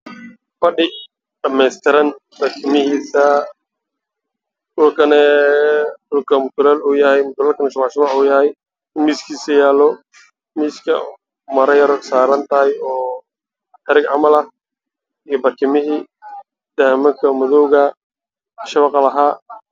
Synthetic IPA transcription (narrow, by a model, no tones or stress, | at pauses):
fɐɖɪ | ɖɐmɛjst̪ʰɪɾɐn | bɐrkʰɪmɪhiːsɐ | dʊlkʰɐnɛ | dʊlkʰɐmʊt̪ʰʊlɐluːjɐhɛjmʊt̪ʊlaːlkʰɐnɛʃɐmaʕʃɪmaħuːjɐhɛj | ɪnmiːskʰiːsɐjaːlɔ | miːskʰɐ̰ | mɐɾɐjɐɾɔsaːɾɐnt̪ʰɐɦɐjɔː | ħɛɾɪɡʕɑmɐlɐh | ijɔbɐrkʰɪmɪɦi | d̪̥ɐhmɐkʰɐmʊðɔwɣɐ | ʃɐβɑqɑlɐɦaː